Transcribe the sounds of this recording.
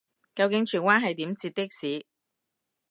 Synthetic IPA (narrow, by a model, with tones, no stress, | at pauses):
kɐ˧wkɪ˨˥ŋt͡ʃʰyː˨˩nwaː˥nɦɐ˨jt̪iː˨˥mt͡siː˧t̚t̪ɪ˥k̚siː˨˥